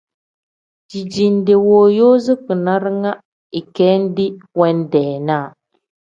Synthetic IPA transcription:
d͡ʒi˨d͡ʒi˨n˦de˨woː˨jo˦zɨ˦kɨ˨na˦ɾɨ˦ŋa˦ | i˨kɛː˦n̩˦dɪ˦wɛ˦n˦dɛː˨naː˦˨

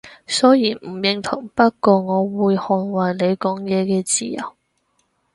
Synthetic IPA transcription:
sɔː˨˥jiː˨˩m̩˨˩jɪ˨ŋt̪ʰʊ˨˩ŋpɐ˥t̚kɔː˧ŋɔː˨˧wuː˨˧jhɔː˨nwɐ˨jle˨˧jkɔː˨˥ŋjɛː˨˧kɛː˧t͡siː˧jɐ̰˨˩w

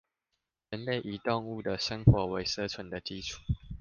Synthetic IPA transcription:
ɻə˧˦nle˥˨ɪʔi˨˦t̪ɔ˥˧ŋu˥˨d̪ə˨ʂə˦ŋxwɔ˨˦we˧˥ɪsə˥˦t͡sʰwə˨˦nd̪ə˨t͡ɕi˦ʈ͡ʂʰu̥˥˨˩

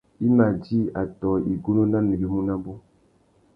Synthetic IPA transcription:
i˦ma˨d͡ʒi˦a˨tɔ˨i˨ɡu˦no˦na˦ni˨ɡi˦mũ˦na˦bʊ˦

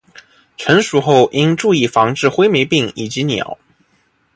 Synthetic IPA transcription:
ʈ͡ʂʰə˧˥nʂu˨˩xo˥˩ʊʔi˥nʈ͡ʂu˥˧i˥˩fɑ˧˥ŋʈ͡ʂɻ̩˥˧xwe˥ɪme˧˥ɪpi˥˩ŋi˨˩t͡ɕi˧˥njɑ̰˨˩˦ʊ

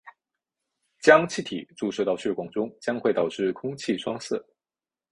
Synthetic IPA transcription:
t͡ɕjɑ˥ŋt͡ɕʰi˥˩t̪ʰi˨˩˦ʈ͡ʂu˥˧ʂ̩˥˧t̪ɑ˥˧ʊɕɥɛ˥˩kwɑ˨˩ŋʈ͡ʂʊ˥ŋt͡ɕjɑ˥ŋxwe˥˩ɪt̪ɑ˨˩ʊʈ͡ʂɻ̩˥˩kʰʊ˥ŋt͡ɕʰi˥˩ʂwɑ˥ŋsɤ˥˩

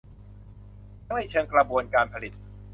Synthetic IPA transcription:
a˥ha˥˩jt͡ɕʰɤː˧ŋkla˧bu˧ənkaː˧npʰa˧li˨˩t̪̚

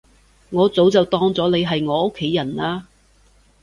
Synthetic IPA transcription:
ŋɔː˨˧t͡so˨˥wt͡sɐ˨wt̪ɔː˥ŋt͡sɔː˨˥ne˨˧jɦɐ˨jŋɔː˨˧ʔo˥kʰːe˨˧˥jːɐ˨˩naː˧

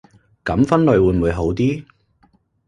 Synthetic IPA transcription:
kɐ˨˥mfɐ˥nlɵ˨˧ɥwuː˨˧jnm̩˨u˨˧jɦo˨˥wt̪iː˥

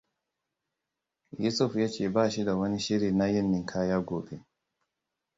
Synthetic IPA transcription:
ju˦sʊ˦fjaː˦t͡ʃeː˨baː˦˨ʃi˦da˨wɐ˦ni˦ʃi˦ɾiː˨na˦jɛ˦nːɪ˨ŋkʰaː˦jaː˦ɡoː˨be˦

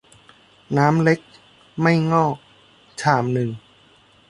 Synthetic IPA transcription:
naː˦˥mle˦˥k̚ | ma˥˩jŋɔː˥˩k̚ | t͡ɕʰaː˩mnɯ˨˩ŋ

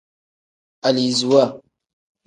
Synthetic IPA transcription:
a˨li˨zu˨wa˦˨

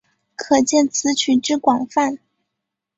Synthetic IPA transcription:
kʰɤ˨˩t͡ɕjɛ˥˩nt͡sʰɹ̩˧˥t͡ɕʰy˨˩ʈ͡ʂɻ̩˥˩kwɑ˨˩ŋfa˥˩n

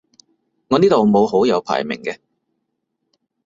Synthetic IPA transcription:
ŋɔː˨˧niː˥t̪o˨wmo˨˧who˨˥wjɐ˨˧wpʰa̰ː˨˩jmɪ̰˨˩ŋkɛː˧

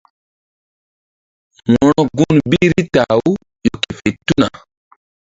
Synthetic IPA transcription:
wɔ˦ɾɔ˦ɡu˦nbi˦ɾi˦ta˨u˦ | jo˨ke˨fe˨tu˦na˨

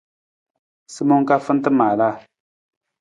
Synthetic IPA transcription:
sɨ˦mɔ˦ŋ˦ka˦fɨ˦n̩˦tɨ˦maː˨la˦˨

